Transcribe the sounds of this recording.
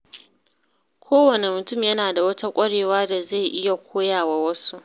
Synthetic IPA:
kʷʰoː˦wɐ˨ne˨mʊ˨tʊ˦˨mjɐ˦naː˨da˨wɐ˦ta˦kʷʼɐ˦ɽeː˨waː˦da˨za˦˨jʔɪ˦ja˨kʷoː˦jaː˨waː˨wɐ˦su˦ʔ

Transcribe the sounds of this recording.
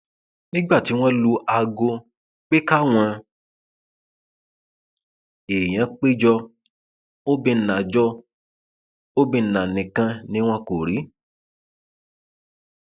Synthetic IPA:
nĩ˦ɡ͡ba˦˨ti˨˦w̃ɔ̃˦lu˧ʔa˧ɡo˧ | k͡pe˦ka˦w̃ɔ̃˧ | e˨j̃ã˨˦k͡pe˦d͡ʒɔ˧ | o˦bĩ˧˨nã˨d͡ʒɔ˦ | o˦bĩ˧˨nã˨nĩ˨kã˧˦nĩ˦w̃ɔ̃˦ko˨ɾi˨˦

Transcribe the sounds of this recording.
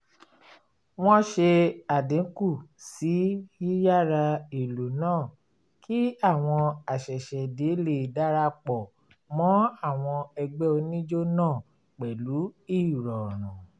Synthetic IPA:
w̃ɔ̃˦ʃe˧a˨dĩ˨˦ku˦˨si˨˦i˦ja˦˨ɾa˧i˨lo˨nãː˦˨ | ki˦a˦˨w̃ɔ̃˧a˨ʃɛ˨ʃɛ˨de˨˦le˨da˦ɾa˧k͡pɔ˨ | mɔ̃˨˦a˦˨w̃ɔ̃˧ɛ˧ɡ͡bɛ˦o˧nĩ˦d͡ʒo˦nãː˦˨ | k͡pɛ˨lu˨˦i˦˨ɾɔ˨ɾ̃ũ˨

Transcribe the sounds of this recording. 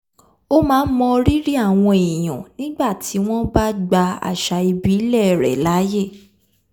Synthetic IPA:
o˦mãː˨˦n̩˦mɔ̃˧ɾi˦ɾi˦a˦˨w̃ɔ̃˧e˨j̃ɔ̰̃˨nĩ˦ɡ͡ba˦˨tʰi˨˦w̃ɔ̃˦ba˦ɡ͡ba˧a̰˨ʃa˧i˧bi˨˦lɛ˦˨ɾɛ̰˨la˨˦je˦˨

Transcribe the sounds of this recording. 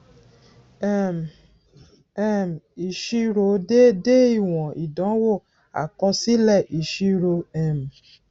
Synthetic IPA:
ɛ˨m˨ | ɛ˦˨m˨i˨ʃi˧ɾo˨˦de˦de˦i˦˨w̃ɔ̃˨i˨dɔ̃˨˦wo˦˨ | a̰˨kɔ˧si˦lɛ˦˨ʔi˨ʃi˧ɾo˧ɛ˨m˨

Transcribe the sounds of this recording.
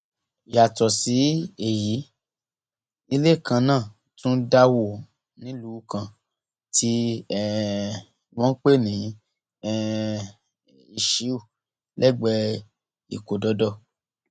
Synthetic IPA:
ja˨tɔ˨si˨˦e˨ji˨˦ | i˧le˦˨kʰã˧nãː˦˨ | tũ˦da˦wo˦˨ | nĩ˨˦lu˨˦˧kã˨ | tʰi˧˦ɛ˦˨ | w̃ɔ̃˦k͡pe˦˨nĩ˨˦ | ɛ˦˧ | i˧ʃi˨˦u˦˨ | lɛ˦˨ɡ͡bɛ˧ | ḭ˨ko˨dɔ˧˦dɔ˦˨

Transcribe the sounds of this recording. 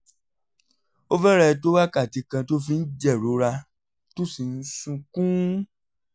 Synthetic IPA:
o˦vɛ˦ɾɛ˧to˦wa˦ka˦˨ti˨˧kã˧to˦fĩ˦n̩˦d͡ʒɛ˦˨ɾo˨˦ɾa˧ | to˦si˨n̩˦sũ˧kũ˦

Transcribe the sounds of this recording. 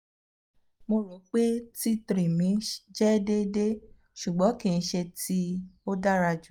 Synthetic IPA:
mo˧lo˨˦k͡pe˦ti˦tɾi˨mĩ˨˦d͡ʒɛ˦de˦de˦ | ʃu˨ɡ͡bɔ̃˨˦kĩ˦˨ñ̩˧˦ʃe˧ti˦o˦da˦ɾa˧d͡ʒu˨

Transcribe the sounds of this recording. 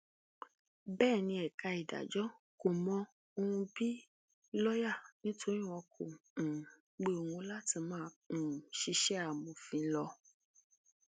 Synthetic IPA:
bɛː˦˨nĩ˧ɛ˨ka˧i˨da̰˨d͡ʒɔ˨˦ | ko˨mɔ̃˧ | o˧hũ˧bi˦ | lɔ˦ja˦˨nĩ˦tʰo˦ɾĩ˦w̃ɔ̃˧kʰõ̰˨ | ɡ͡be˧˦o˧hũ˧˦la˦ti˧mãː˦˨ʃi˧ʃɛ˦a˨mũ˨fĩ˨˧˦lɔ˧

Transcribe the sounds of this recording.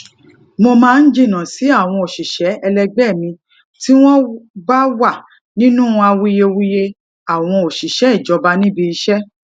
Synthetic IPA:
mo˧mãː˦˧n̩˦d͡ʒĩ˦˨nã˨si˨˦a˦˨w̃ɔ̃˧o˨ʃi˨ʃɛ˨˦ɛ˧lɛ˧ɡ͡bɛ˦˨mĩ˧ | ti˦w̃ɔ̃˦ɡ͡ba˦wa˦˨ | nĩ˦nũ˦˧a˧wi˦je˧wi˦je˧ | a˨w̃ɔ̃˧o˨ʃi˨ʃɛ˨˦i˦˨d͡ʒɔ˨˦ba˦nĩ˦bi˧i˧ʃɛ˦

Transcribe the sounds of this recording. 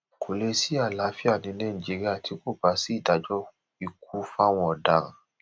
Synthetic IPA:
kʰo˨le˧si˦a˦˨la˨˦fi˦a˦˨nĩ˧˦nɛ̃˦˨ĩ˨d͡ʒi˨˧ɾi˦a˦˨tʰi˧ko˦˨ba˨˦si˦˨da˨˦d͡ʒɔ˦ | i˧˨k̚u˨˦fa˦w̃ɔ̃˧ɔ˨da˨ɾ̃ã̰˨

